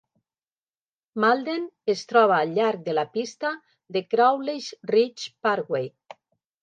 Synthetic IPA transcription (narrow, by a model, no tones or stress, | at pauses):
malˠd̪enest̪ɾɔβ̞aːlʎːaɾk̚d̪elapist̪a | ðekɾawleʃrit͡ʃpaɾɣwej